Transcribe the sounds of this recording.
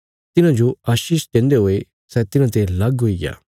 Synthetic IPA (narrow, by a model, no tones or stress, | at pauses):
t̪ɪnãd͡ʒoaːʃiːʃtɛ̃ːnd̪eɦoe | sɛt̪ɪnãt̪elɐɡɦoiɡja̰ː